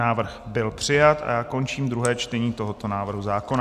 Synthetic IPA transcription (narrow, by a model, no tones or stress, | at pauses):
aːvr̩xbɪlpr̝̥ɪjat̪a̰jaːko̞nt͡ʃiːmd̪ɾuɦɛːt͡ʃt̪ɛɲiːt̪o̞ɦo̞t̪o̞naːvr̩ɦuzaːko̞na